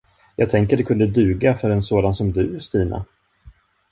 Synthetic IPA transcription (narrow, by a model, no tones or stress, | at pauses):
jɑːɡ̚t̪ʰɛŋkəɖɛkʰɵnd̪əd̪ʉ̟ːɡafœɾɛnsoːd̪ansɔmd̪ɵæʂt̪iːna̰